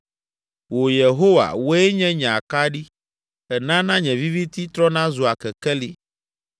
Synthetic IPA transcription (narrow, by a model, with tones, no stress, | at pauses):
wo˨je˨ɦo˦wa̰˨wo˦e˦ɲɛ̃˦ɲɛ̃˨a˨ka˦ɖi˦ | ɛ˨nã˦nã˦ɲɛ̃˨vi˦vi˦t̪i˦t̪ɾɔ˦nã˦zu˨a˨kɛ˨kɛ˦li˦